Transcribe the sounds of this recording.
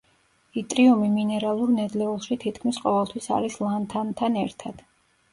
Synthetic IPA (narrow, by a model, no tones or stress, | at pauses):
it̪ʼɾiɔmiminɛɾalˠuɾnɛd̪lɛulˠʃit̪ʰit̪kʰmisqʼɔvɛlˠt̪ʰwisa̰ɾislˠant̪ʰant̪ʰanɛɾt̪ʰad̪̥